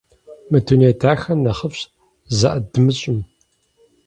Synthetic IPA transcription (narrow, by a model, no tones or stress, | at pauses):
mɨtʰuneːtʰaːxɐnɐχəfɕ | zɐʔɐdɨmɨɕʼɪm